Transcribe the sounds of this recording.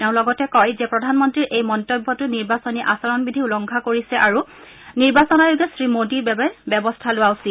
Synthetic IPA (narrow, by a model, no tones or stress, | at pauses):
tɛʊ̃lɔɡɔtɛkɔjzɛpɹɔdʱanmɔntɹiɹʔejmɔntɔbʱːɔtʊniɹbasɔniʔa̰sɔɹɔnbidʱiulɔŋkʰakoɹisɛʔaɹu | niɹbasɔnajoɡɛsɹimodibɛbbɛbɔstʰalʊwaʊsil